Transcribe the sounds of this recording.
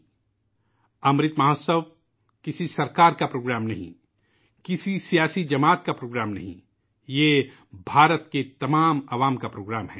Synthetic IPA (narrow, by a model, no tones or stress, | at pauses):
ɐmɾɪt̪maɦosəʋ | kɪsisɐɾkaːɾkapɾoːɡɾaːmnɐɦḭ̃ | kɪsisijaːsid͡ʒɐmaːt̪̚kapɾoːɡɾaːmnɐ̰ɦḭ̃ | jeː | bʱaːɾət̪ket̪ɐmaːmaʋaːmkapɾoːɡɾaːmɦɛː